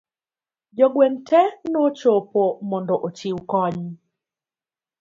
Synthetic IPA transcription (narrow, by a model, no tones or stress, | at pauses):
d͡ʒɔɡwentɛnot͡ʃopomɔndɔʔot͡ʃiukɔɲ